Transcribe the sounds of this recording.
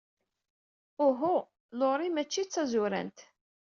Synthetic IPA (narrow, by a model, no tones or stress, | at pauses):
ʊɦʊ | loɾˤimæt͡ʃːit͡sːæzʊɾæ̰nt̪